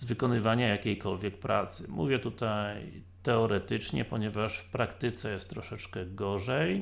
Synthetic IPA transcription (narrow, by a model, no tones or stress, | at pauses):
zvɘkɔnɘvaɲajakʲejkɔlvʲjɛk̚pɾa̰t̪sɘmṵvʲjɛt̪ut̪ajt̪ɛɔɾɛt̪ɘt͡ʂɲɛ̰pɔɲɛvaʂfpɾakt̪ɘt̪sɛjɛst̪tːɾɔʂɛt͡ʂkɛɡɔʐɛj